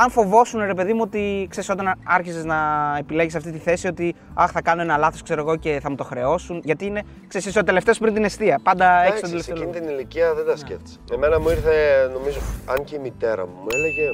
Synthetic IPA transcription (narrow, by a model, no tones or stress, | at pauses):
ɐɱfo̞vo̞sunɾe̞pe̞ðimuo̞t̪ikse̞ɾiso̞t̪ɐnɐɾçiseznɐepile̞ʝisɐft̪it̪iθe̞sio̞t̪i | ɐxθɐkɐno̞enɐlɐθo̞skse̞ɾo̞ɣo̞ce̞θɐmut̪o̞xɾe̞o̞sunʝɐt̪iine̞ | kseisisot̪e̞le̞ft̪eo̞spɾint̪ine̞st̪iɐpɐnd̪ɐeçtod̪elefeinit̪iniliciɐðed̪ɐscḛft̪i̥semenɐmuiɾθeno̞mizoɐɲceimit̪e̞ɾɐ̰mumueleʝe̞